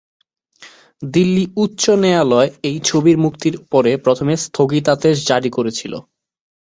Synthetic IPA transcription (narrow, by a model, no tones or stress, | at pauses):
d̪ilːiutːɕonealɔeejt͡ɕʰobiɾmukt̪iɾpɔɾepɾot̪ʰomest̪ʰoɡit̪at̪eʃ̬d͡ʑaɽikoɾet͡ɕʰilo̰